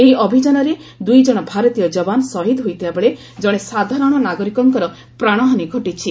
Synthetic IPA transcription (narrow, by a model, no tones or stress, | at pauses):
eɦiʔɔbʱid͡ʒanɔɾed̪ujd͡ʒɔɽ̃ɔbʱaɾɔt̪ijɔd͡ʒɔbanɔsɔɦid̪ɦojt̪ʰibabeɭe | d͡ʒɔɽ̃esad̪ʱaɾɔɽ̃ɔnaɡɔɾikɔŋkɔɾɔ | pɾaɽ̃ɔɦaniɡʱɔʈit͡ʃʰi